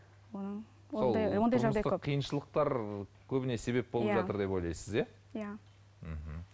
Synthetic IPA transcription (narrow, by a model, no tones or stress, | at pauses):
wonə | olˠjond̪ɑjʒɑʁd̪ɑj̪əqʰːijənʃəlˠəq̚t̪ɑɾ | kʲʰɵbɪne̞se̞βe̞p̚bolˠpʒɑt̪əɾd̪e̞po̞jlˠɑjsəzje | ja | m̩ɦm̩